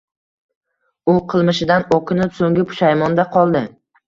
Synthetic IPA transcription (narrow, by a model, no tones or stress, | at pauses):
ʊqʰɨlˠmɪʃɪd̪anokʰʲɪnɪpsoŋɡʲɪpʰʊ̥ʃajmɒnd̪aqʰɒlˠd̪ɪ